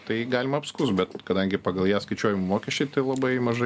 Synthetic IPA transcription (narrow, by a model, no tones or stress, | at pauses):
t̪ɐɪɡɑːlʲɪmɐɐpskʊsbʲɛt̪kɐd̪ɐŋʲɡʲɪpɑɡɐlˠjæːskɐɪt͡ʃʲuɔjɪmmoːkʲɛʃʲt͡ʃʲɛɪt̪ɐɪlˠɐbɐɪmɐʒɐ